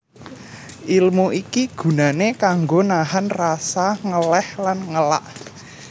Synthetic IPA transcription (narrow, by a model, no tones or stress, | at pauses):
ʔilmuikiɡ̥ṳnanekaŋɡonaɦanrasaŋəlɛhlanŋəla̰ʔ